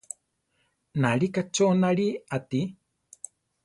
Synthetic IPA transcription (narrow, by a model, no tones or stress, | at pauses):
naɺikat͡ʃonaɺiat̪i